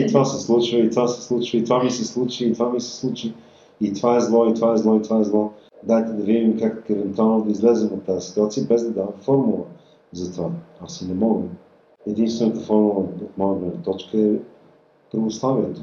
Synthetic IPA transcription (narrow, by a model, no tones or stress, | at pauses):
it̪vasɛslˠut͡ʃvəit̪vasɛ̥slˠut͡ʃvəit̪vamisɛslˠut͡ʃiːt̪vamisɛ̥slˠut͡ʃi | it̪vaɛzlˠɔit̪vaɛzlˠɔit̪vaɛzlˠɔ | d̪at̪ɛd̪ɐvid̪imkakɛvɛnt̪ualˠnod̪əizlɛzɛmot̪ːazɛsi̥t̪uat̪sijəbɛzd̪ɐd̪avɐmfɔɾmulˠə | zɐt̪vaasinɛmɔɡə | ɛd̪inst̪vɛnət̪əfɔɾmulˠəot̪mɔjəɡ̪lɛnət̪ɔt͡ʃkəɛ | pɾovost̪avɛnɛt̪o